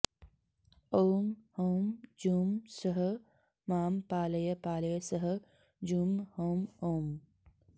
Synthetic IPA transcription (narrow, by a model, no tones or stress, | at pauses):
oːmhoːmd͡ʒuːmsɐɦə | maːmpaːlɐjɐpaːlɐjɐsɐɦɐ | d͡ʒumhoːmoːm